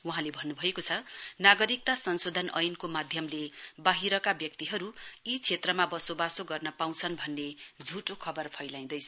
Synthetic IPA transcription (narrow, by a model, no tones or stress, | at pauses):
wuɦãlebʱʌnːubʱʌekot͡sʰʌnaɡʌɾik̚t̪asʌnsod̪ʱʌnʔʌ̰jnkomad̪ʱjʌmlebaɦiɾʌkabjʌk̚t̪iɦʌɾuit͡sʰet̪rʌmabʌsobasoɡʌrnʌpaw̃t͡sʰʌnbʱʌnːed͡zʱuʈokʰʌbʌrpʰʌjlaĩd̪ʌjt͡sʰʌ